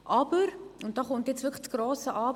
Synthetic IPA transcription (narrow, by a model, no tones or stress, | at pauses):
ʔɑbəɾʊnt̚d̥ɑːχʊntjɛt͡svɪkχt͡sɡ̥roːsəʔɑː